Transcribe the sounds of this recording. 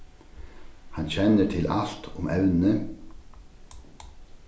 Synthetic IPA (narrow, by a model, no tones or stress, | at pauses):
hɑnçɛnəʈʰɪlʔɑ̰lt̪ʰʊmɛʋnə